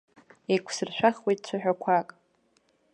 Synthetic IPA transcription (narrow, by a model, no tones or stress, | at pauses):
ejkʷʰsɨrʃʷᶣaχwejtʼt͡ɕʷʰaħᶣakʷʰakʼ